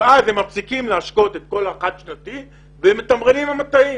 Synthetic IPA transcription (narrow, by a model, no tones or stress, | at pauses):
azhemafsikimleaʃko̞t̪et̪̚ko̞laχad̪ʃnat̪i | vemet̪amʁenimamat̪ai